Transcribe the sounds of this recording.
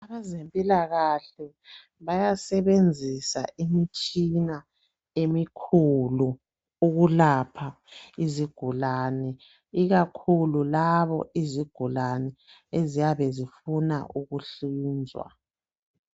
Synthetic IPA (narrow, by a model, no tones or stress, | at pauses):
aβazempʼilaɣaɬɛ | βajasɛβend͡zʱisa̰ʔimit͡ʃʼina | emikʰulu | uɣulapʰa | iziɡ̥ʱulaːnɛ | iɣakʰululaβɔ̰ʔiziɡ̥ʱulanɛezijaβɛzifuna̰ʔuɣuɬiːnd͡zʱwa̰